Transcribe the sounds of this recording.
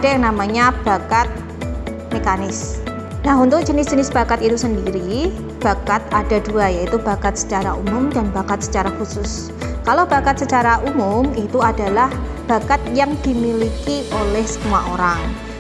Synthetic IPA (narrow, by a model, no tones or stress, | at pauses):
ad̥ajaŋnamaɲab̥akat̪̚ | mekanɪs | naɦunt̪ʊk̚d͡ʒ̥ənɪsd͡ʒənɪsb̥akat̪it̪usəndiɾi | b̥akat̪̚adaduajait̪ubakat̪̚sə̥t͡ʃaɾaumʊmdanbakat̪̚sə̥t͡ʃaɾaxusʊs | kalobakat̪̚sət͡ʃaɾaʔumʊmit̪uadalah | b̥akat̪̚jaŋdimilikiʔolɛhsə̥k̪umaʔoɾaŋ